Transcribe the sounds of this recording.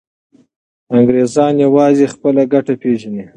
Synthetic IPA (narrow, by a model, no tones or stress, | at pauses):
aŋɡɾezɑnjawɑzexpəlaɡaʈapeʒani